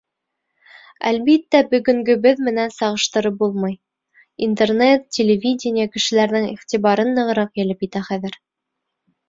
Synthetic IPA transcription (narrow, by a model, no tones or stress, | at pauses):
æ̰lβit̪ːæbɵ̆ɡɵ̆ŋɡɵ̆bɘðmɘ̆nænsɑʁɤ̆ʃt̪ɤ̆ɾɤp̚bulˠmɤj | int̪ernet̪tʲːelʲevʲidʲɪnʲɪjəkɘ̆ʃɘ̆læɾðɘŋiχt̪ʲiβɑɾɤnːɤ̆ʁɤ̆ɾɑqjɘ̆lɘpjɘ̆t̪æχæðɘɾ